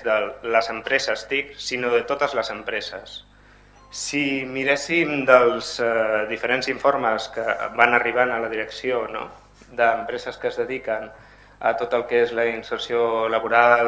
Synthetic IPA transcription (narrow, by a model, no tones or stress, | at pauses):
d̪ələzəmpɾɛzəst̪iksinoðət̪ot̪əzləzəmpɾɛzəsː | imiɾɛsimd̪əlˠzðifəɾenziɱfoɾməskəbanəriβ̞anələðiɾəksiono̰ | d̪əːmpɾɛzəskəzðəðikən | ə̰t̪ot̪əlˠkezləinsərsioləβuɾal